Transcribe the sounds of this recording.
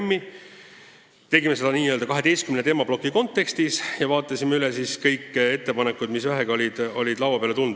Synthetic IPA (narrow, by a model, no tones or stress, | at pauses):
mːi | t̪e̞ɡime̞se̞d̪̥ɑniːøld̪ɑkɑɦe̞t̪e̞jst̪̚kymnet̪eːmɑb̥lo̞kːiko̞nt̪ːˑe̞kst̪isjɑvɑːt̪ˑːɑsʲimeylɛsiskɤjkːˑe̞t̪ːe̞pɑnekːˑud̪misvæɦeɡio̞lʲid̪̥o̞̰lʲid̪lɑwɑpeɑleunu̥